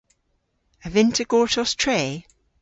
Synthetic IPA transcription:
əvɪ̃ntʰəɡ̥ɔːˑtʰɔstʰɹ̥eː

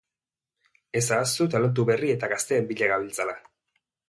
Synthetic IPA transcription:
e̞sast̪ut̪alont̪̬uβerie̞t̪aɣast̪e̞ːmbiʎeɣaβilt͡sala

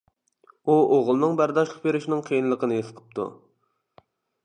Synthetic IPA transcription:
uoʁlˠnɨŋbæɾd̪ɑʃlˠəq̚beɾɪʃnɪŋqʰəjɨnlˠəqʰənɨjesʰəqʰə̥p̚t̪ʰṵ

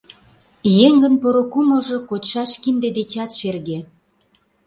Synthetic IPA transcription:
jeŋɡə̆npoɾokumə̆lʒokot̪ʃɑʃkind̪ed̪et͡ɕɑt̪ʃerɣe

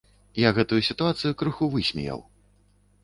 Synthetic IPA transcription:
jaɣɛt̪ujusʲit̪uat̪sɨjukɾɨxuvɨsʲmʲḭja̰w

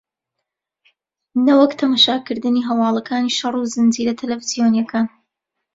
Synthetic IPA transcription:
nɐwɐkt̪ʰɐmaʃaːkɨɾd̪ɨniːɦɐwɑːlˠɐkʰaːniʃɑruzɨnziːɾɐt̪ʰɐlɐviz̥ijoːnijɐkʰaːn

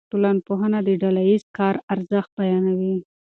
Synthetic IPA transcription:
ʈolanpoɦənad̪əɖalajizkɑɾaɾzəxt̪̚bajɑnawi

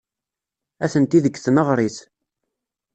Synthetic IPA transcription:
æθənt̪iðəkːθnəʁɾˤiθ

